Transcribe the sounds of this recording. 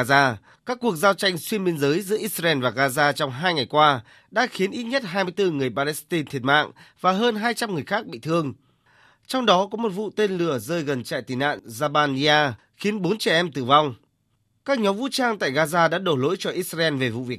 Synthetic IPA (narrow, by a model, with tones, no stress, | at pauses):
zaː˧ | kaː˦˥kːu˨˩ək̚zaː˧wt͡ɕa˧jŋ̟swi˧ənɓe˧nzəː˨˦jzɨ̰˧˥əʔi˦˥t̚sa˧ɛ˧nvaː˨˩ɣaː˧zaː˧t͡ɕɔ˧wŋ͡mɦaː˧jŋa˨˩jkwaː˧ | ɗa̰ː˧˥xi˨˦ənʔi˦˥t̚ɲə˦˥t̚ɦaː˧jmɨ˧jt̪ɨ˧ŋɨ˨˩əjpaː˧lɛ˧˥st̪i˧nt̪ʰi˨˩ət̚ma̰ː˧˨ŋvaː˨˩ɦəː˧nɦaː˧jt͡ɕa˧mŋɨ˨˩əjxaː˦˥k̚ɓḭ˧˨t̪ʰɨ˧əŋ | t͡ɕɔ˧wŋ͡mɗɔ˨˦kɔ˨˦mo˨˩t̚vṵ˧˨t̪e˧nlɨ˨˧˩əzəː˧jɣə˨˩nt͡ɕa̰ː˧˨jt̪i˨˩na̰ː˧˨nzaː˧ɓaː˧ni˧aː˧ | xi˨˦ənɓo˨˦nt͡ɕɛ˧˩ʔɛ˧mt̪ɨ̰˧˩va˧wŋ͡m | kaː˦˥k̚ɲɔ˨˦mvṵ˧˥t͡ɕaː˧ŋt̪a̰ː˧˨jɣaː˧zaː˧ɗa̰ː˧˥ɗo˧˩lo̰˧˥jt͡ɕɔ˧ʔi˦˥t̚szaː˧ʔɛ˧nve˨˩vṵ˧˨vi˨˩ə